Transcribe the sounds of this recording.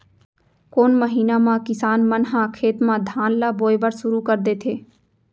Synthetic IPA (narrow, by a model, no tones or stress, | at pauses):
koːnməɦiːnamãkɪsaːnmənɦãkʰeːt̪mãd̪ʱãːnlaboːjbəɾʃʊɾukɐɾd̪eːt̪ʰeː